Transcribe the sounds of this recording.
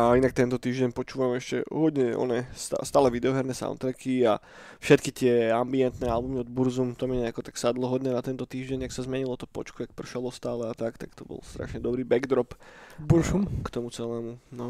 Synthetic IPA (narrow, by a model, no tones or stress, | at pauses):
ainak̚t̪ɛnt̪ɔt̪iːʒɟɛɲpɔt͡ʃuːʋamɛʃcɛ̰ɦɔd̪ɲɛɔ̰nɛst̪a̰st̪aːlɛʋid̪ɛɔɦɛɾnɛsa̰ʊnt̪ɾɛkia | fʃɛt̪kit̪ɪɛambiɛnt̪nɛːalbumiɔd̪buɾzumt̪ɔmiɲɛakɔt̪aksad̪lɔɦɔd̪ɲɛnat̪ɛnt̪ɔt̪iːʒɟɛɲaksazmɛɲilɔt̪ɔ̥pɔ̰t͡ʃkut̪ak̚pr̩ʃalˠɔst̪aːlɛat̪akt̪akt̪ɔbɔ̰lst̪ɾa̰ʃɲɛd̪ɔbɾiːbɛɡd̪ɾɔpbuɾzumkt̪ɔmut͡sɛlɛːmunɔ